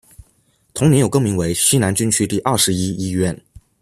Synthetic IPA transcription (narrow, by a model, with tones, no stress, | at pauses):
t̪ʰʊ˧˥ŋnɛ˧˥jo˨˩ʊkɤ˥˩ŋmi˧˥ŋwe˧˥ɪɕi˥na˧˥nt͡ɕy˥nt͡ɕʰy˥t̪i˥˧ʔɐ˥˩ʂɻ̩˧˥i˥i˥ɥɛ˥˩n